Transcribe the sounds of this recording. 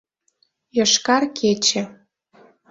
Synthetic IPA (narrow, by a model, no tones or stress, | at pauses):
jɤ̆ʃkɑrkʰet͡ɕĕ